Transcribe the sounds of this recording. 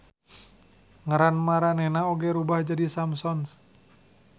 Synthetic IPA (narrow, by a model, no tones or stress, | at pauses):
ŋəɾanmaɾanɛnaoɡɛɾubahd͡ʒadisamsɔns